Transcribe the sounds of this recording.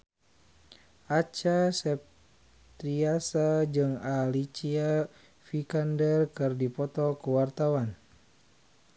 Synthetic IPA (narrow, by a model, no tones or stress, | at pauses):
ʔat͡ʃasɛp̚ | t̪ɾiasad͡ʒɨŋalit͡ʃia | fikandɛrkɨrdipɔt̪ɔkuwart̪awan